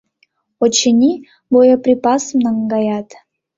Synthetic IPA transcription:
ot͡ɕənʲi | bojəprʲipɑsəmnɑŋɡɑjɑt̪

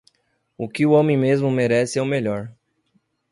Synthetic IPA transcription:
ʊkɪʊõmẽj̃mezmʊmeɾɛsɪɛwmeʎɔɾ

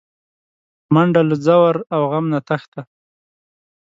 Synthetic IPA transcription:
maɳɖaləd͡zawaɾawɣamnat̪axt̪a

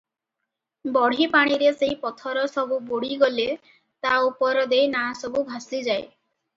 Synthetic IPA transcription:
bɔɽ̤ipaɽ̃iɾeseipɔt̪ʰɔɾɔsɔbuboɽ̤iɡɔle | t̪aupɔɾɔd̪ejnaasɔbubʱasid͡ʒae

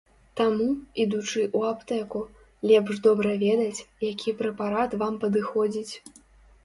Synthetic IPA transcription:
t̪amuid̪ut͡ʂɨʔuapt̪ɛku | lʲɛpʐd̪ɔbɾɐvʲɛd̪ɐt͡sʲjakʲʰipɾɛpaɾat̪vampɐd̪ɨxɔd͡zʲit͡sʲ

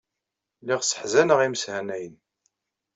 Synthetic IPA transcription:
liʁsə̥ħzænəʁiməshænæjən

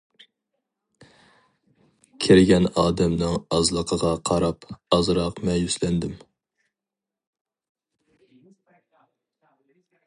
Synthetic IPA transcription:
kʲʰeɾɪɡʲɛnɑːd̪ɛmnɨŋɑzlˠəqʰəʁɑqʰɑɾɑpɑzɾɑqmɛjyslɛnd̪ɪm

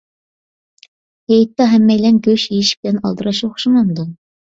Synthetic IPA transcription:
hejt̪ːɑɦɛmːɛjlɛnɡʲøʃjejiʃi̥b̚ɪlɛnɑ̰lˠd̪ɨɾɑʃoχʃimɑnd̪u

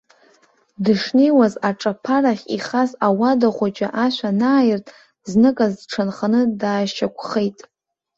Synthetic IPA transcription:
dɨʂnejwazaʈ͡ʂʼapʰaraχʲḭχazawadaχʷat͡ʃʼa̰ʔaʃʷᶣanaːjɪrtʼ | znɨkʼazʈ͡ʂʰɨnχanɨdaːʃʃakʷʰχejtʼ

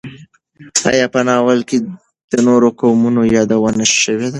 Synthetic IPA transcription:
ɑ̰jɑpənɑwəlke | d̪̥ənoɾokawmunojɑd̪awənaʃʃəwed̪a

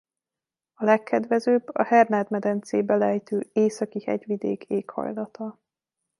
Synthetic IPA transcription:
ɒlɛkʰːɛd̪ʋɛzøːbɒhɛrnaːd̪mɛd̪ɛnt̪seːbɛlɛjt̪øːeːsɒkihɛ̰ɟʋid̪ḛːkʰeːkhɒ̰jlɒt̪ɒ

